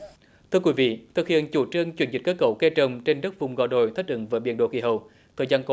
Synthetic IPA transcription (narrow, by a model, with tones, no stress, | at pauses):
t̪ʰɨ˧əkwi˨˦vḭ˧˨t̪ʰɨ˨˩k̚hḭ˧˨ənt͡ɕu˧˩t͡ɕɨ˧əŋt͡ɕwḭ˧˩˦nzï̟˨˩kəː˦˥kə˧˦wke˧t͡ɕə˨˩wŋ͡mt͡ɕe˧nɗə˦˥t̚vʊ˨˩ŋ͡mɣɔ̰˧˨˩ɗo̰˧˨jt̪ʰə˦˥k̚ʔɨ̰˧˦ŋvəː˨˦jɓḭ˧˨ənɗo̰˧˨kḭ˧˩ɦə˧˩˨w | t̪ʰəː˨˩jzaː˧nk